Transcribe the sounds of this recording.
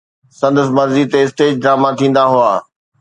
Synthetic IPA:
sɐ̃nd̪əs̬mɐɾzit̪eɪsʈeːd͡ʑɖɾaːmat̪ʰĩːn̆d̪aɦʊaː

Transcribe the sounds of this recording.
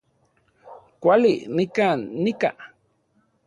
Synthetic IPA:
kʷalḭnikaːnːika

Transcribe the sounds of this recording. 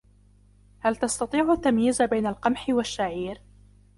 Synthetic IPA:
halt̪ɑst̪ɑt̪ˤiːʕʊt̪ːamjiːzabajnalqɑmħɪwaʃːaʕiːɾ

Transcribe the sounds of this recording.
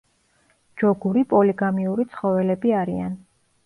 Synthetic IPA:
d͡ʒɔɡuɾipʼɔliɡamiuɾit̪sʰχɔvɛlɛbiaɾia̰n

